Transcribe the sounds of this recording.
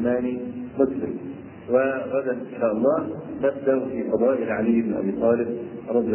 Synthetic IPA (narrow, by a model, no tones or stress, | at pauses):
maːnimʊslɪ̰m | wɪɣad̪anʔɪnʃaːʔɑlˤːɑːnabd̪aʔfiːfɑd̪ˤɑːʔɪlʕalɪjːɪbɪnʔa̰biːt̪ˤɑːlɪb̚ | ɾˤɑd̪ˤɨj